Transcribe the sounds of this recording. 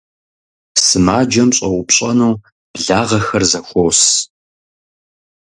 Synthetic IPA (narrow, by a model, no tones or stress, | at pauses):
sɨmaːd͡ʒɐmɕʼɐwʊpɕʼɐnuː | b̥ɮaːʁɐxɐrzɐxʷows